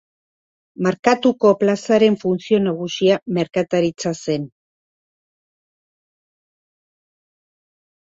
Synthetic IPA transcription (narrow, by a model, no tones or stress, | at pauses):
maɾkat̪uko̞plasaɾe̞ɱfunsio̞naɣusiame̞ɾkat̪aɾit͡sase̞n